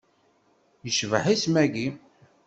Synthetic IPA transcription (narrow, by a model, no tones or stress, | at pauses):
jəʃvə̰ħismæɡi